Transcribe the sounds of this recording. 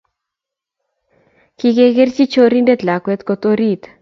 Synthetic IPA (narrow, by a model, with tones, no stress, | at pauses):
ki˧ɡe˧ɡe˦rt͡ʃi˦t͡ʃo˦ɾi˦nde˦t̪la˨kwɛ˦t̪ko˧t̪o˦ɾi˦t̪